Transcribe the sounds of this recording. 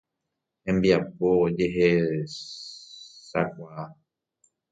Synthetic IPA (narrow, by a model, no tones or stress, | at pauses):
hẽmbiapod͡ʒeɦe | sa̰k̚ʷaa